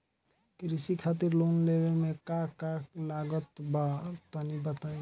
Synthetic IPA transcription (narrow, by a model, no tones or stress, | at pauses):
kɾisikʰat̪̬iɾlonlebemekakaklaɡət̪bat̪ənibət̪ə̃